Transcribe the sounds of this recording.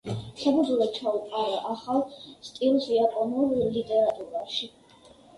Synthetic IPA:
sabud̪zulɔt͡ʃʰaupʼaɾaʔaχalˠst̪ʼilˠsiapʼɔnuɾlit̪ʼɛɾat̪ʼuɾaʃi

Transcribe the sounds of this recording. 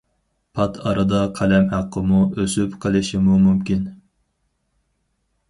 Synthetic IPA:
pʰɑt̪ʰɑɾɨd̪ɑqʰɛlɛmhæqʰːəmuøsypqʰəlˠɪʃimumumkʲin

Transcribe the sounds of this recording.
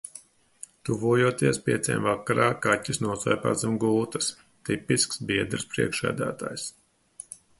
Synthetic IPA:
t̪uvuɔjuɔt̪iɛspʲiɛt̪sʲḛːmvakaɾʔaːkatʲːisnuɔsɔjpa̰ːzɨmɡuːt̪ɐs | t̪ipisksbiɛd̪ɾɨspɾḭɛkʃæ̰ːd̪æ̰ːt̪a̰ːjs

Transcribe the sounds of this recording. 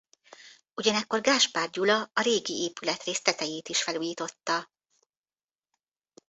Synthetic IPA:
uɟɒnɛkːo̞rɡaːʃpaːrɟulɒɒɾeːɡieːpylɛt̪reːst̪lɛt̪ɛjeːt̪iʃfɛluːjit̪o̞t̪ːɒ

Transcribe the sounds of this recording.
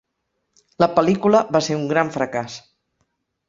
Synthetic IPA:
ləpəlikuləβaseuŋɡɾaɱfɾəkas

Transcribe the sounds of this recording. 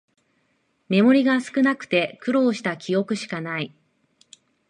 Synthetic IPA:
me̞mo̞ɾʲiɡasɨ̥kɯ̟nakɯ̟̥t̪e̞kɯ̟ɾo̞ːɕi̥t̪akʲio̞kɯ̟ɕi̥kanai

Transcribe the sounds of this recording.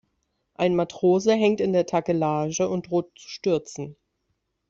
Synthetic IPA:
ʔaɪnmatʁ̥oːzəɦɛŋtɪndeːɐtʰakəlaːʒəʊnt̚d̥ʁoːt̚t͡su̥ʃtʏɐt͡sn̩

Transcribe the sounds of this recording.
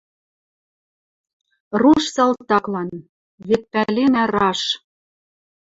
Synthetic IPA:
ruʃsɑlt̪ɑklɑn | βet̪̚pælenærɑʃ

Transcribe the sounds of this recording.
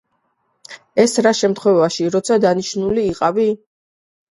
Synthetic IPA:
ɛsɾaʃɛmt̪ʰχwɛvaʃiɾɔt̪sʰad̪aniʃnuliːqʼavi

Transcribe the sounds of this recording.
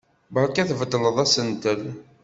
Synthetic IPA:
bəɾˤkæθvəd̪ːələðˤæsənt̪əl

